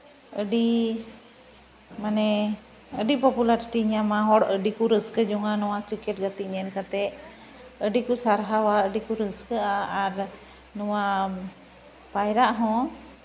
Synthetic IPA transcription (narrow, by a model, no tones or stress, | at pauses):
əɖi | manɛ | əɖipɔpulaɾʈiɲamaɦɔɽəɖikuɾəskəd͡ʒɔŋanɔwakɾikɛʈ̚ɡat̪iʔɲɛɾkat̪ɛʔ | əɖikusaɾɦawaəɖikuɾəskəaːɾ | nɔwa | pajɾaʔɦɔ̃